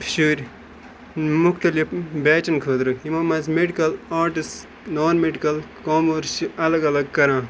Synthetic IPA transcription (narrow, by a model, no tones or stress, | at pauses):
ʃuːɾʲ | mukʰt̪ɐlipbɛːt͡ʃɐnkʰoːd̪ɾɨimɐ̃ːmɐzmeɖikɐlaːɾʈis | noːnmeɖikɐlkoːmɐɾʃiɐlɐɡɐlɐɡ̚kɐɾãː